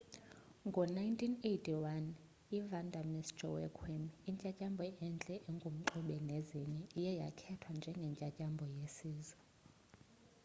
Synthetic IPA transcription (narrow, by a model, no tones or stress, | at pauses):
ŋɡʱɔnajntʰʼinejtʰʼiwan | ivandʱamistɔ̰wɛ̰kʰwɛmiɲcʼacʼambʱɔʔɛnd͡ɮʼɛʔɛŋɡʱum̩ǃuɓɛneziɲɛijɛja̰kʰɛtʰwand͡ʒʱɛŋɡʱɛɲt͡ʃʼacʼambʱɔjesiːzwɛ